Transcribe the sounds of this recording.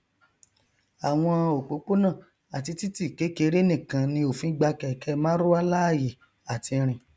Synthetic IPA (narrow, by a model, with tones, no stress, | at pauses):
a˨w̃ɔ̃˧o˨k͡po˨˦k͡po˦nã˦˨ | a˨ti˧ti˦ti˦˨ke˨˦ke˧˦˧ɾe˦nĩ˦˨kã˨nĩ˧o˨fĩ˨˦ɡ͡ba˧kɛ˨kɛ˧˦mãː˦ɾo˦a˦la˦a˦˨je˨ | a˨ti˧ɾ̃ĩ˨